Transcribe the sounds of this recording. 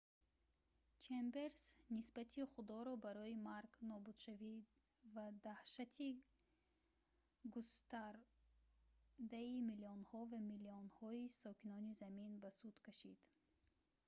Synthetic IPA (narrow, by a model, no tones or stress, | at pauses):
t͡ʃʰembe̞ɾsnisbat̪ʰiχud̪ɔɾɔbaɾɔimaɾɡnɔbud̪̥ʃavi | vad̪ahʃat̪ʰi | ɡust̪aɾ | d̪aimiliɔnhɔvamiliɔnhɔisɔkinɔnizaminbasud̪̥kʰaʃid̪̥